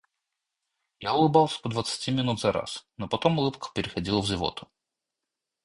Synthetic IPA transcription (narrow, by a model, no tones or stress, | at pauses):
jaulbalˠspɔd̪vat̪sḁt͡ɕʲimʲinud̪zaɾa̰snɔpɔt̪ɔmulˠɨpkɔ̥pʲɛɾʲɘxɔd͡ʑʲilˠɔvzɨvɔ̰t̪ʊ̥